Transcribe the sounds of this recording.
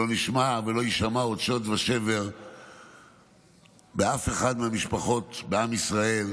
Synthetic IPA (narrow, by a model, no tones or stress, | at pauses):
o̞niʃmavelo̞jiʃamaod̪ʃotvaʃe̞ve̞ʁ | beafe̞χad̪meamiʃpaχo̞tbeamisʁae̞l